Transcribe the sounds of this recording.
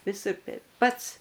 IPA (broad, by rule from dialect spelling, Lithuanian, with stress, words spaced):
ʋʲɪˈsʊr ˈtʲɛɪp ˈpɐts